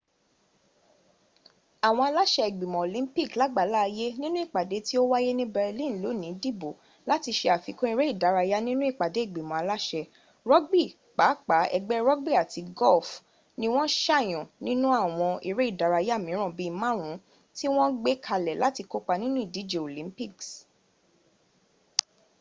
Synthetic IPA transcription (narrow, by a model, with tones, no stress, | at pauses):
a˨w̃ɔ̃˧a˧la˦ʃɛ˧i˨ɡ͡bi˨mɔ̃˨o˨lĩ˦pi˦˨kla˨˦ɡ͡ba˨˦la˦˧je˦nĩ˦nũ˦i˦˨k͡pa˨de˨˦ti˦o˦wa˦je˦nĩ˦bɛ˧lĩ˦˨lo˨˦nĩ˨˦di˦bo˨ | la˦ti˧ʃe˧a˨fi˨˦kũ˦i˧ɾe˦i˦˨da˨˦ɾa˧ja˦nĩ˦nũ˦i˦˨k͡pa˨de˨˦i˦˨ɡ͡bi˨mɔ̃˨a˧la˦ʃɛ˧ | ɾɔ˦ɡ͡bi˦ | k͡pa˨˦k͡pa˨˦ɛ˧ɡ͡bɛ˦ɾɔ˦ɡ͡bi˦˨a˨ti˨˧ɡɔ˦˨f | nĩ˦w̃ɔ̃˦ʃa˦˨j̃ɔ̃˨nĩ˦nũ˦a˦˨w̃ɔ̃˧i˧ɾe˦i˦˨da˨˦ɾa˧ja˦˨mĩ˨˦ɾ̃ɔ̃˦˨bi˨˦˧mã˦ɾ̃ũ˨˦ | ti˦w̃ɔ̃˦ɡ͡be˦kʰa˧lɛ˨la˦ti˧ko˦k͡pa˧nĩ˦nũ˦i˦˨di˨˦d͡ʒe˨o˨lĩ˨˦mpi˦˨ks